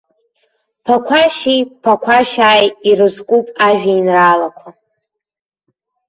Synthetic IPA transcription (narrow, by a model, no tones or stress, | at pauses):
pʰakʷʰaʃijpʰakʷʰaʃaːjirɨzkʷʼupʼaʒᶣainraːlakʷʰa